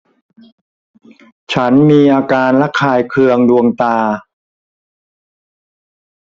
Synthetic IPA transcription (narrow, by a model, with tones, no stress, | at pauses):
t͡ɕʰa˦˥nmiː˧ʔaː˧kaː˧nla˦˥kʰaː˧jkʰɯ˧əŋdu˧əŋt̪aː˧